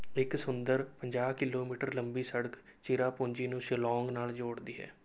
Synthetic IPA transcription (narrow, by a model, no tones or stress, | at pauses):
ɪksʊnd̪əɾpəɲd͡ʒaːkɪloːmiːʈəɾləmbiːsəɽək | t͡ʃiːɾaːpõːɲd͡ʒiːnũːsɪlɔːŋɡnaːld͡ʒoːɽd̪iːɦɛ̰ː